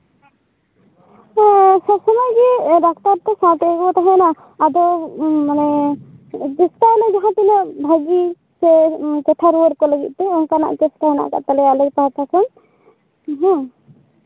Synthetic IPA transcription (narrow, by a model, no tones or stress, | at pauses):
sɔbsɔmajɡiɾak̚ʰt̪aɾt̪ɛsãt̪ɛɡɔt̪aɦɛ̃naː | d̪ɔmanɛ | d͡ʒisʈalɔjd͡ʒaɦãt̪ilɔbʱaɡi | sɛt͡ʃɛʈʰaɾuəɾkɔləɡḭt̪̚ˀt̪ɛɔnkana̰ʔt͡ʃɛsʈaɦɛna̰ʔka̰t̪alɛalək̚paɦat̪asɔn | ɦɔ̃